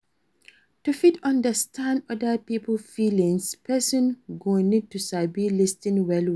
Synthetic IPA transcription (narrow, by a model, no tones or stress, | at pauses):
tufitʌ̃ndəstʰãndɔdəpipəlfilĩŋspʰɛsɔ̃nɡonid̚tusabilistɪ̃ŋwɛlwi